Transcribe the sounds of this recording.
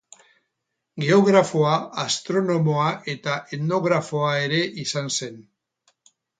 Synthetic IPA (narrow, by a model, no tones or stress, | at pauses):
ɡe̞o̞ɣɾafo̞aast̪ɾo̞no̞mo̞aʔe̞t̪aʔet̪no̞ɣ̞ɾafo̞ae̞ɾe̞ʔisanse̞n